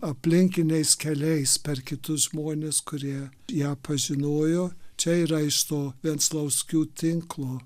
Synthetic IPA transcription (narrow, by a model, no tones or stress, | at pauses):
ɐpʲlʲɪŋʲkʲɪnʲɛɪskʲɛlʲɛɪspʲɛrkʲɪt̪ʊsʒmoːnʲeːskʊɾʲiɛ | jæːpʰɐʒʲɪnoːjoːt͡ʃʲɛiːɾɐɪʃt̪oːʋʲiɛnt̪slˠɐʊsʲkʲuːt̪ʲɪŋklˠoː